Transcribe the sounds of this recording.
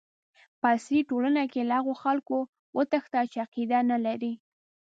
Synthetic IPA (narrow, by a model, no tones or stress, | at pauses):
pəasɾiʈolanakelahaɣoxalko | wʔət̪əxt̪at͡ʃeaqid̪analaɾi